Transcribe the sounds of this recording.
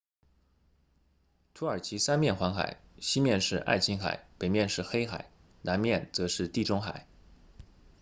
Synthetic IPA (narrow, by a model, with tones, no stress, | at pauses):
t̪ʰu˧˥ə˞˨˩t͡ɕʰi˧˥sa˥nmjɛ˥˩nxwa˧˥ŋxa̰˨˩ɪɕi˥mjɛ˥˧nʂɻ̩˥˧ʔa̰˥˩ɪt͡ɕʰi˥ŋxa̰˨˩˦ɪpe˨˩ɪmjɛ˥˧nʂɻ̩˥˩xe˥ɪxa̰˨˩ɪ | na˧˥nmjɛ˥˩nt͡sɤ˧˥ʂɻ̩˥˧t̪i˥˩ʈ͡ʂʊ˥ŋxa̰˨˩˦ɪ